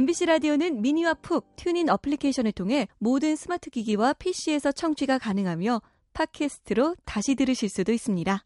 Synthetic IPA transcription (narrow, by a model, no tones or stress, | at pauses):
embiɕ͈ʰiɾadionɯnmiɲiwapʰuk̚tʰjuninapʰɯɭikʰeɕʰʌnɯɭtʰoŋɦe̞modɯnsʰɯmatʰɯɡiɡiwapʰeɕ͈ie̞sʰʌt͡ɕʰʌŋt͡ɕʰiɡakanɯŋɦamjʌ | pʰakʰe̞sʰɯ̥tʰɯɾotaɕʰidɯɾɯɕʰiɭs͈udois͈ɯmɲida